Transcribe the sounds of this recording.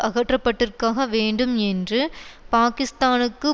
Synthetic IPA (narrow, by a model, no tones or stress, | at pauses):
ɐɣɐʈrɐpːɐʈːɪrkaːɣɐʋeːɳɖɯmɛndrɯpaːkɪst̪aːnɯkːɯ